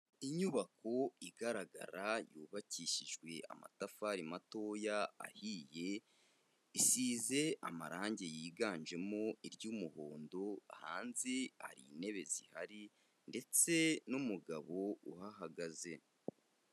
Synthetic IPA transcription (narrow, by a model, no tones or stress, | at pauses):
iɲuβako̞iɡaɾaɡa̰ɾajuːβaciːʃiʒɡwe̞ʔa̰ma̰tafaɾimato̞ːjaa̰hiːje̞ | isiːze̞ʔa̰ma̰ɾaːɲɟe̞jiːɡaːnʒe̞mo̞iɾɟuːmuhoːndo̞a̰ha̰ːnziha̰ɾḭːne̞βe̞zihaɾi | nde̞t͡se̞numuɡaβo̞ṵhaɦaɡaze̞